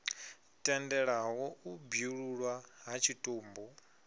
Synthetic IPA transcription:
tʼɛndɛɺaɦɔubjuɺuɺwaɦat͡ʃʰitʼoːmbɔ

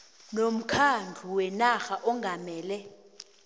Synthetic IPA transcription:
nom̩kʰand͡ɮʱuwɛnaxaʔɔŋɡʱamɛːlɛ

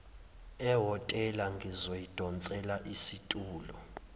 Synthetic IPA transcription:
ɛɦɔtʼɛlaŋɡʱizojid̥ʱɔnt͡sʼɛlaʔisitʼuːlɔ

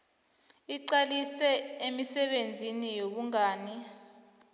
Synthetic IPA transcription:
iǀalisɛemisɛɓend͡zʱinijoɓuŋaːni

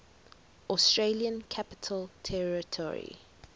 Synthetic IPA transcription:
ʔɔstɹeliə̃nkʰapɪ̥tʰəltʰɛɹitʰɔ̰ɹḭ

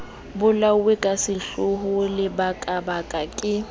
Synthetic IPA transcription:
bʊlawekʼasɪɬʊɦʊlɪbakʼabakʼakʼɪ

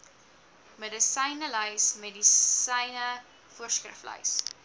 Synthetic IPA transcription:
medəsɐjnələjsmedisɐjnə | fuərskrə̰flɐ̰js

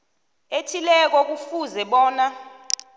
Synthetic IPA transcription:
etʰilɛk̬ɔk̬ufuzɛɓɔːna

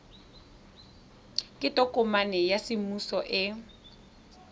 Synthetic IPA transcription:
kʼɪtʼɔkʼʊmanɛjasɪmusɔʔɪ

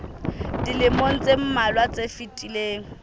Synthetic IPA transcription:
dilɪmon̩t͡sʼem̩malwat͡sʼefitʼileːŋ̩

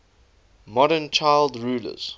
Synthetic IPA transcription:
mɔɾənt͡ʃʰaɪlˠdɹuːlə̰z̥

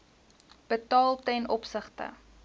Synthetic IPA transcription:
b̥ətɑːlˠtɛnʔɔpsəχtə̰

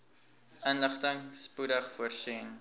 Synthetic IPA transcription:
ənləχtəŋspudəχfuərsin

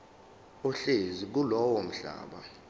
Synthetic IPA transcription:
ɔɬezik̬ulɔwɔm̩ɬa̰ːɓa

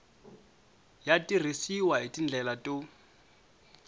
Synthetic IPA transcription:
jatʼir̤isiwaitʼin̩d͡ɮʱɛlatʼo

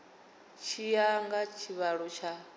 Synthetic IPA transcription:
t͡ʃʰijaŋɡat͡ʃʰiβaɺɔt͡ʃʰa

